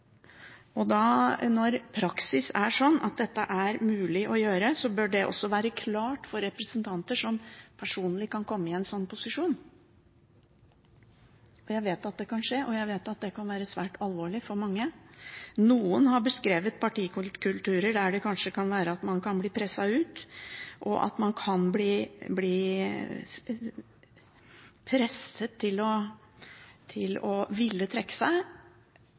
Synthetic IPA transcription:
ɔd̪ɑnɔɾpʰɾɑksɪsæʂɔnːɑ̰t̪̚d̪ɛt̪ːəʔæɾmʉːlɪʔɔjøːɾəsɔbœɖɛʔɔ̰sːɔʋæːɾəkʰlɑːʈfɔɾɛpɾəsənt̪ʰɑnt̪əʂɔmpʰæʂuːnlɪkɑnkʰɔmːəɪɛnsɔnːpʰʊsɪʂuːn | ɔjæɪʋeːt̪ɑt̪̚d̪ɛkɑnʂeːʔɔjæɪʋeːt̪ɑt̪̚d̪ɛkʰɑnʋæːɾəsʋæːʈʰɑlʋoːɭɪfɔɾmɑŋːə | nuːənhɑɾbəskɾeːʋət̪̚pʰɑʈiːkʉkʰʉlt̪ʉːɾəɖæɖɛkʰɑnʂəkʰɑnʋæːɾəɑt̪mɑnkʰɑnbliːpʰɾɛsɑʉːt̪ʔɔ̰ʔɑ̰t̪mɑnkʰɑnbliːbliː | pʰɾɛsət̪ʰːɪlɔ | t̪ʰɪlɔʋɪlːət̪ʰɾɛkːə̥sæɪ

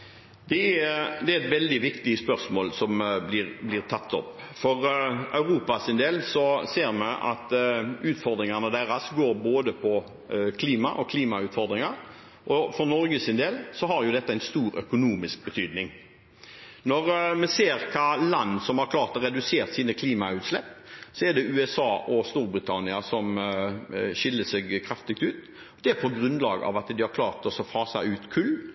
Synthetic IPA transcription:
d̪̥ɛɛd̪ɛæɛt̪ʋɛld̪ɪʋɪkt̪ɪəspœʁsmoːlsɔmblɪɾblɪʁt̪ʰɑt̪ːɔ̰pː | fɔɾɑʉɾuːpɑsɪnd̪eːlsɔseːɾmɛʔɑ̰t̪ʉːt̪fɔɾd̪ɾɪŋɑnəd̪æɾɑsɡoːɾboːd̪əpʰɔ | kʰliːmɑʔɔkʰliːmɑʉːt̪fɔɾd̪ɾɪŋɑɾ | ʔɔfɔɾnɔɾɡəsɪnd̪eːlsɔɦɑɾjʊd̪ɛt̪ːəæɪnst̪uːɾœ̰kʊnuːmɪsk̚bət̪ʰyːd̪nɪŋ | nɔɾmɛseːɾkʰɑːlɑnːsɔmhɑɾkʰlɑːɾt̪ɔɾɛd̪ʉseːʁt̪siːnəkʰliːmɑʉːt̪slɛpːsɔɛɖɛʔʉːɛsɑːʔɔst̪uːɾbɾɪt̪ʰɑnɪɑsɔm | ʃɪlːəsɛɡkʰɾɑft̪ɪɡ̚t̪ʉːt̪ | ɔd̪ɛæpʰɔɡɾʉnlɑːɡə̰ɑ̰ʋɑt̪d̪ɪhɑɾkʰlɑːɾt̪ɔsɔfɑːsæɪʉːt̪kʰʉlː

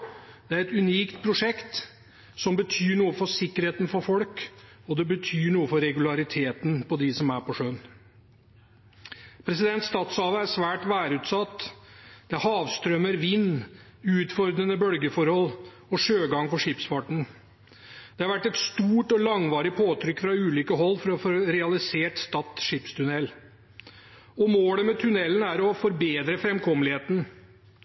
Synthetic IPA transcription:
d̪̥ɛæɾɛt̪ʉniːkt̪pʰɾʊʂɛkt̪ | sɔmbət̪ʰyːɳuːəfɔsɪkːəɾheːt̪n̩fɔɾfɔlk | ɔd̪ɛbət̪ʰyːɳuːəfɔɾɛɡʉlɑɾɪt̪ʰeːt̪npʰɔd̪ɪsɔmæɾpɔʂøːn | pʰɾɛsɪd̪ɛnt̪st̪ɑːt̪shɑːʋəæɾʂʋæːʈʋæːɾʉːt̪sɑt̪ːd̪̥ɛhɑːʋst̪ɾœməɾʋɪnːʉːt̪fɔɾd̪ɾənəbœlɡəfɔɾhɔlː | ɔʂøːɡɑŋpɔʂɪpsfɑʈɳ̩ | d̪̥ɛhɑɾʋæʈːɛt̪st̪uːʈɔlɑŋʋɑːɾɪpʰoːt̪ʰɾʏkːfɾɑʉːlʏːkəɦɔlːfɔɾɔfɔɾɾɛɑlɪseːʈst̪ɑt̪ːʂɪpst̪ʰʉnɛl | ɔmoːləmɛt̪ʰʉnɛlːən̩æɾɔfɔɾbeːd̪ɾəfɾɛmkʰɔmlɪheːt̪n̩

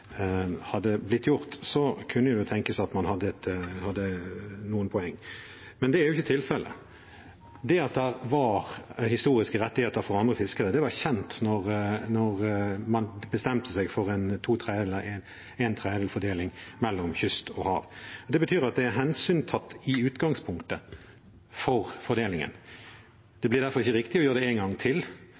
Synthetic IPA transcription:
hɑd̪ːəblɪt̪ʰːjʊʁt̪sɔkʰʉnːəjʊd̪ɛt̪ʰɛŋkəsɑt̪mɑnhɑd̪ːəɛt̪hɑd̪ːənuːənpʰɔɛŋː | mɛnd̪ɛæːɾjʊɪçːət̪ʰɪlfɛlʔə̰ | d̪ɛɑt̪̚d̪æɾʋɑʁhɪst̪uːʁɪskəɾɛt̪ːɪheːt̪əɾfɔɾɑnd̪ʁəfɪskəʁəd̪ɛʋɑçɛnt̪nɔʁnɔʁmɑnbəst̪ɛmt̪ʰəsɛɡfɔʁɛnt̪ʰuːt̪ʰɾeːd̪ɛɛləɛn | ɛnt̪ʰɾeːɛlfɔd̪eːlɪŋmɛlːɔmçʏst̪ɔhɑ̰ːʋɔd̪ɛbət̪ʰyːɾɑt̪̚d̪ɛæɦɛnsyːnt̪ʰɑt̪ːɪʉːt̪ɡɑŋspʰʊŋkt̪ə | fɔʁfɔɾd̪eːlɪŋə̰n | d̪̥ɛblɪʁd̪æɾfɔʁɪçːəɾɪkt̪ɪɔjøːɾəd̪ɛɛŋɡɑŋt̪ʰɪl

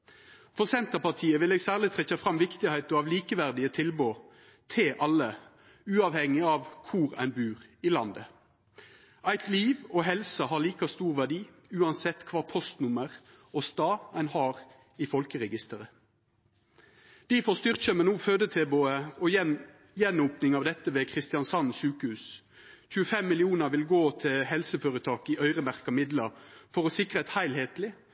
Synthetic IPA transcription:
fɔʁsɛnt̪əʁpɑʁt̪ʰiːəʋɪleːɡsæːʁlɪt̪ʰʁɛçɑfʁɑmʋɪkt̪ɪhæɪt̪əɑʋliːkəʋæʁd̪ɪət̪ʰɪlboː | t̪ʰɪʔɑlːə | ʉːɑʋhɛŋːɪɑːʋkʰʊʁæ̰ɪnbʉːʁɪlɑnd̪ə | æɪt̪liːʋɔɦɛlsəhɑːʁliːkɑst̪uːʁʋæʁɖiː | ʉːɑnsɛt̪ːkʰʋɑːpʰɔst̪nʊməʁ | ɔst̪ɑːæɪnhɑːʁ | ɪfɔlkəʁɛɡɪst̪əʁə | d̪̥ifoːst̪ʏʁc͡çəmənuːføːd̪ət̪ʰeːboəɔ | jɛnuːpnɪŋɑʋd̪ɛt̪ːəʋeːkʰʁɪst̪ɪɑnsɑnsʉːkəhʉːs | c͡çʉːəfɛmːɪlɪuːnəʋɪlɡoːt̪ʰɪlhɛlsəføːɾət̪ʰɑːkɪʔœʏʁəmæʁkɑmɪd̪lɑfɔʁoːsɪkʁəɛt̪hæɪlheːt̪lɪ

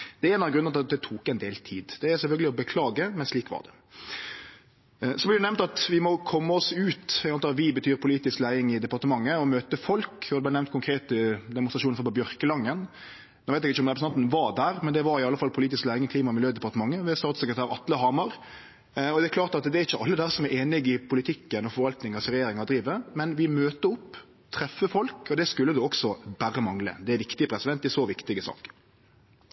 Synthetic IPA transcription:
d̪̥ɛɾeːnɑɡɾʉnəɾɑt̪ɑd̪ɛt̪ʰuːkɛnd̪eːlt̪ʰiːd̪d̪̥ɛæɾsɛlfœlɡəlɪɔbəkʰlɑːɡəmɛnsliːkʋɑ̰d̪ɛ̰ | sɔblɪɾd̪ʉnɛʋmnt̪ɑt̪ʋɪmɔkʰɔmːəɔsʉːt̪ɡɑnɑːʋɪbət̪ʰyːɾpʰʊliːt̪ɪsklæɪɪŋɪd̪ɛpɑɾt̪əmɑŋːəɔmøːt̪əfɔlkɔd̪ʉb̪lɪnɛʋnt̪kʰʊŋkʰɾeːt̪əd̪ɛmʊnst̪ɾɑʂuːnfɔpɔbjœɾkəlɑŋːən | noːʋæɪɛɡɪçːəɔmʁɛpɾəsnɑnt̪nʋɑd̪æːɾmɛnd̪ɛʋɑɾɪɑlːəfɑlpʰʊliːt̪ɪsklæɪɪŋəkʰliːmɑmɪljøːd̪ɛpɑɾʁt̪əmɑŋːəʋɛst̪ɑːt̪səkɾət̪æːɾɑt̪ləɦɑːmɑɾ | ɔd̪ɛækʰlɑːɾt̪ɑt̪d̪ɛæɾɪçːəʔɑlːəd̪æːɾsɔmæɾeːnɪɡɪpʰʊlɪt̪ʰɪkːənɔfɔɾʋɑlt̪nɪŋɑsɾɛjeːɾɪŋɑd̪ɾiːʋəmɛnʋɪmøːt̪əʊpː | t̪ʰɾɛfːəfɔlkɔd̪ɛskʉlːəd̪ʉɔksɔbæɾəmɑŋlə̰d̪ɛæʋɪkt̪ɪəpʰɾɛsɪd̪ɛnt̪ɪsoːʋɪkt̪ɪɡəsɑ̰ːk

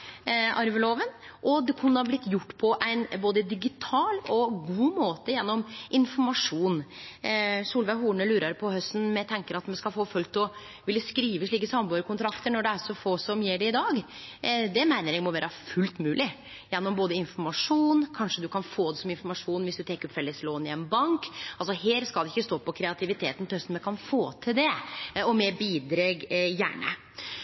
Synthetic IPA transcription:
ʔɑɾʋəloːʋənʔɔd̪ɛkʰʉnːəhɑblɪt̪ːjʊʈːpʰɔʔæɪnboːd̪əd̪ɪɡɪt̪ʰɑːlɔɡuːmoːt̪əjɛnːɔmʔɪnfɔɾmɑʂuːn | suːlʋæɪɦuːɳəlʉːɾɑɾpʰɔhœst̪n̩mɛt̪ʰɛŋkəɾɑt̪mɛnskɑlfoːfœlt̪ɔ | ʋɪlːəskɾiːʋəʂɭiːkəsɑmbɑːɾkʊnt̪ʰɾɑkt̪əɳɔɖɛæɾʂɔfoːsɔmjɛːɖɛɪd̪ɑːɡ | d̪ɛmæɪnəɾɛɡmɔʋæːɾəfʉlt̪mʉːlɪ | jɛnːɔmboːd̪əɪnfɔɾmɑʂuːnkʰɑnʂəd̪ʉkʰɑnfoːd̪ɛsɔmɪnfɔɾmɑʂuːnʋɪsd̪ʉt̪ʰɛkəɾɔfɛlːəsloːnɪɛnbɑŋkɑls̬ɔheːɾskɑld̪ɛɪçːəst̪oːpɔkʰɾɛɑt̪ʰɪʋɪt̪ʰeːt̪n̩t̪ɪhœst̪n̩mɛkɑnfoːt̪ʰɪld̪ɛɔmɛbiːd̪ɾeːɡjæ̰ːɳə̰

